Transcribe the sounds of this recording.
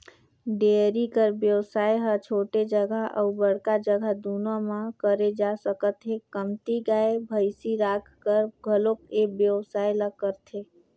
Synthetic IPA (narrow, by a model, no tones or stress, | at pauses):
ɖeɾikəɾbjəwsaːjɦət͡ʃʰoʈed͡ʒəɡaʔə̰ubəɽ̤kad͡ʒəɡʱad̪unomãkəɾed͡ʒasəkət̪ɦekəmt̪iɡaebʱəjsiɾakʰkəɾɡʱəlokebjəwsajlakəɾt̪ʰe